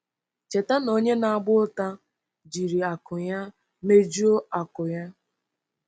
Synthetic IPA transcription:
t͡ʃe˨ta˦no˦ɲe˦na˨a˦˨ɡ͡bʊ˦ta˦ | d͡ʒi˨ɾi˨a˨kʊ˨ja˦ | me˦d͡ʒu˦o˦a˨kʊ˨ja˦

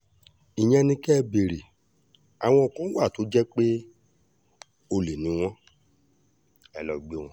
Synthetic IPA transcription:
i˨j̃ɛ̃˧nĩ˧kɛ˦˧be˨ɾe˨ | a˨w̃ɔ̃˧˨kũ˦wa˦˨to˨˦d͡ʒɛ˦k͡pe˦ | o˧le˨nĩ˨˦w̃ɔ̃˦ | ɛ˨lɔ˨˧ɡ͡be˦w̃ɔ̃˧˦

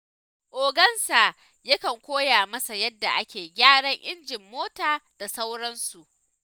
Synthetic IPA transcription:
ʔoː˨ɡɐ˦nsa˨ | jɐ˦kɐ˨ŋkʷoː˦jaː˨mɐ˦sa˨jɐ˦dːa˨ʔa˦kʲeː˨ɡʲaː˦ɽɐ˦ŋʔɪ˦nd͡ʒɪ˨mːoː˦taː˨d̥a˨sa˦wɽɐ˦nsu˨ʔ

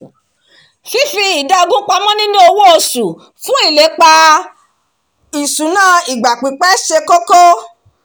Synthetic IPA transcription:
fi˦fi˧i˨da˦˧ɡũ˦k͡pa˧mɔ̃˦nĩ˦no˦o˧wo˦o˧su˨ | fũ˦i˦˨le˨˦k͡pa˧ | i˨su˨˦nãː˦˨i˨ɡ͡ba˨k͡pi˨˦k͡pɛ˦ʃe˧ko˦ko˦

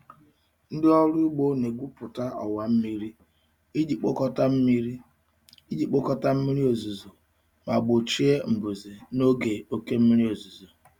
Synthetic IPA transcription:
n̩˦dɪ˦ɔ˦ɾʊ˦ɡ͡bo˦ne˨ɡʷu˦pʊ˨ta˦ʔɔ̰˨wa˨m̩˦mi˦ɾi˦ | i˦di˨k͡po˦kɔ˦ta˦m̩˦mi˦ɾi˦ | i˦di˨k͡po˦kɔ˦ta˦m̩˦mi˦ɾi˦o˨zu˨zo˨ | ma˨ɡ͡bʊ˨t͡ʃi˦e˦m̩˨bu˨zi˨no˦ɡe˨o˦ke˦m̩˦mi˦ɾi˦o˨zu˨zo˨

